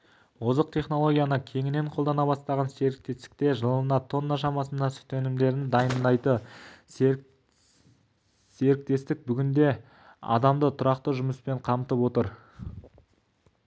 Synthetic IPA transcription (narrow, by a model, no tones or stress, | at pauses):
wozəqt̪ʰe̞χno̞lˠo̞ɡʲijanəkʲʰe̞ŋɪne̞ɴqʰolˠd̪ɑnɑβɑst̪ɑʁɑnse̞ɾɪk̚t̪e̞st̪ɪ̥k̚t̪e̞ʒəlˠənɑt̪ʰo̞nːɑʃɑmɑsənd̪ɑsʏ̥t̪enɪmd̪e̞ɾɪnd̪ɑjənd̪ɑjt̪ə | se̞ɾɪk̚t̪e̞st̪ɪk̚bʏɡʲɪnd̪e̞ | ɑ̰d̪ɑmd̪ət̪ʰʊɾɑqt̪əʒʊməspe̞ɴqʰɑmt̪əpwo̞t̪əɾ